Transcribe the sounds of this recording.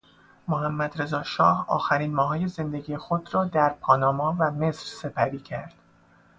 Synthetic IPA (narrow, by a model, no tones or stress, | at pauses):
moɦæmːæd̪ɾe̞zɒːʃɒːhɒ̰ːxæɾiːnmɒːɦɒːje̞ze̞nd̪e̞ɟiːjexod̪ɾɒːd̪æɾpʰɒːnɒːmɒːvæme̞sɾse̞pʰæɾiːcʰæɾd̪̥